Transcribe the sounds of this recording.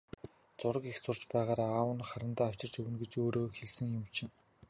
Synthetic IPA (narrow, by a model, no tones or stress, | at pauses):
t͡sʊɾə̆kext͡sʊr̥t͡ɕpæːʁaːɾaaːwə̆nχaɾə̆nt̪aːw̥ʲt͡ɕɪ̆r̥t͡ɕʰɵwɘ̆nɡet͡ɕoːɾoːxeɮsɘ̆ŋjʊ̆mt͡ɕʰɪ̆ŋ